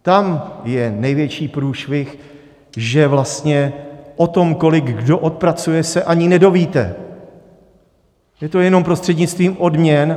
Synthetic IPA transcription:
t̪amjɛnɛjvjɛt͡ʃiːpɾuːʃvɪx | ʒɛvlast̪ɲɛʔo̞t̪o̞mko̞lɪɡɡdo̞ʔot̪̚pɾat͡sujɛsɛʔaɲɪnɛdo̞viːt̪ɛ̰ | jɛt̪o̞jɛno̞mpɾo̞st̪r̥ɛdɲɪt͡st̪viːmʔo̞dmɲɛn

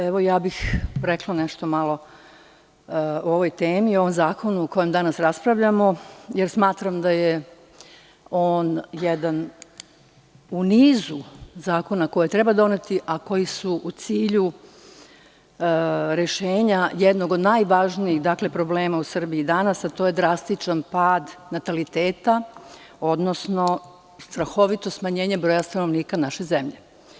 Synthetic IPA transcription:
eʋojaːbixɾeklˠaneʃt̪omalˠo̞ | oo̞ʋo̞jt̪eːmio̞ʋomzaːko̞nuoko̞je̞md̪anasɾaspɾaʋʎamo̞jeɾsmaːt̪ɾamd̪aje | oːnjed̪an | uniːzuzaːko̞nako̞jet̪ɾebad̪o̞ne̞t̪iʔako̞jisuʔut̪siːʎu | ɾe̞ʃeːɲajed̪no̞ɡo̞d̪naːjʋaʒniixd̪aːkle̞pɾo̞ble̞ːmausr̩biid̪anasat̪o̞ːje̞d̪ɾast̪it͡ʃanpaːd̪nat̪alit̪eːt̪a | o̞d̪nosno̞ | st̪ɾaxo̞ʋit̪o̞smaɲe̞ːɲebɾo̞ːjast̪anoʋniːkanaʃe̞zemʎe

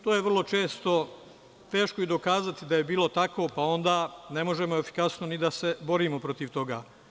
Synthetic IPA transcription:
t̪oːjeʋr̩lˠo̞t͡ʃe̞ːst̪o̞ | t̪e̞ːʃkoid̪o̞kaːzat̪id̪aje̞biːlˠo̞t̪akʋo̞pao̞nd̪aːne̞mo̞ʒe̞moe̞fi̥kasnonid̪ase̞bo̞ɾiːmo̞pɾo̞t̪iʋt̪o̞ɡaː

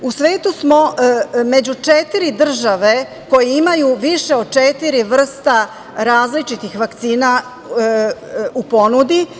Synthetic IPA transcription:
usʋe̞ːt̪usmo̞me̞d͡ʑut͡ʃet̪iɾid̪r̩ʒaʋe̞ | ko̞jiimajuʋiʃe̞o̞d̪̚t͡ʃet̪iɾiʋr̩st̪a | ɾaːzlit͡ʃit̪ixʋakt̪siːna | upo̞nud̪i

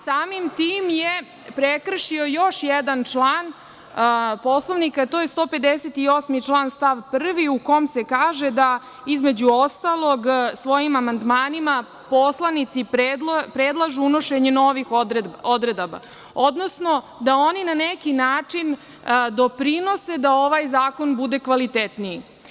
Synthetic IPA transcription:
saːmimt̪iːmje | pɾekr̩ʃio̞joʃjɛd̪ant͡ʂlˠaːn | poslˠoʋnikat̪ojest̪o̞ːpe̞d̪eset̪io̞ːsmit͡ʂlˠaːnst̪aʋpr̩ʋiukomsekaːʒed̪a | izme̞d͡ʑuo̞st̪alˠoɡsʋo̞jimamand̪maːnima | po̞slˠanit̪sippɾed̪lˠaʒuuno̞ʃeɲeno̞ʋixod̪ɾed̪oba̰ | o̞d̪no̞sno̞ | d̪aoninanekinaːt͡ʂin | d̪o̞pɾino̞sed̪aoʋajzaːkonbud̪e̞kʋalit̪et̪nii

